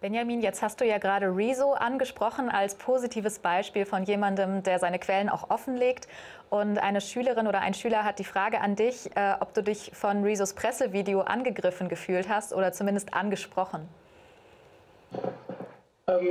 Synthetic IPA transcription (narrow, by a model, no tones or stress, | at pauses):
b̥ɛnjamiːnjɛt͡sthastd̥uːjaːɡəʁaːɾəʁiːzoʔanɡəʃpʁ̥ɔχn̩ʔalspʰoːzitʰiːvəsb̥aɪʃpiːlfɔnjeːmandəmdeːɐzaɪnəkv̥ɛlənʔa̰ʊxʔɔfn̩leːkt | ʔʊntʔa̰ɪnəʃyːləʁɪnʔoːɾɐʔa̰ɪnʃyːlɐɦat̚d̥iːfʁ̥aːɡəʔandɪçʔɛːʔɔp̚d̥uːdɪçfɔnʁiːzospʁ̥ɛsəviːdeoʔa̰nɡəɡʁɪfn̩ɡəfyːlthastʔo̰ːɾɐt͡sumɪndəstʔa̰nɡəʃpʁ̥ɔχn̩ | ʔɛm